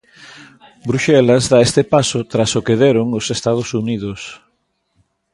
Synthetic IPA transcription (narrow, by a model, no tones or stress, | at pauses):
bɾuʃɛlɐzðaest̪epasʊt̪ɾasʊkeðeɾʊŋʊsest̪að̞ʊsuniðʊs